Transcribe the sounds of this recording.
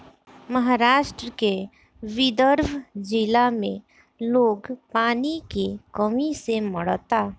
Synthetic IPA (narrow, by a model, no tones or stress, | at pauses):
məɦaɾaːʃʈɾəke | ʋɪd̪əɾʋd͡ʒɪlamẽ | loːɡpaːnikekəmiseməɽt̪aː